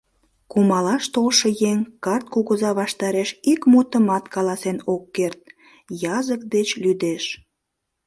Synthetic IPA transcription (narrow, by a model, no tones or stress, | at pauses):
kumɑlɑʃt̪olʃəjeŋkɑrt̪̚kuɣuzɑβɑʃt̪ɑɾeʃikmut̪əmɑt̪kɑlɑsenokːert̪̚ | jɑzək̚d̪et͡ɕlyd̪eʃ